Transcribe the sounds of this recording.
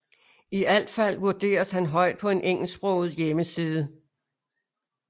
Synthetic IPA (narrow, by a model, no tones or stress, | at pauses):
iæl̰d̥fæl̰ʋuɐd̥e̝̰ːɐshænɦɒ̽ɪ̰d̥̚pʰɒ̽e̝nʔeŋ̰l̩sb̥ʁɔʊð̩ˠjeməsiːð̞ˠə